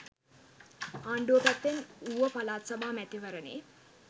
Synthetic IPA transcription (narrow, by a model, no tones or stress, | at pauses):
aːɳɖoːkæt̪ːenuʋəpalaːt̪sabaːmæt̪iʋəɾənḛː